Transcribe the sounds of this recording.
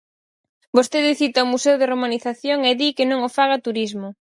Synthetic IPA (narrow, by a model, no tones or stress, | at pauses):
bost̪eðɪθit̪aumusewð̞eromaniθaθjoŋeðikɪnõŋofaɣat̪uɾizmʊ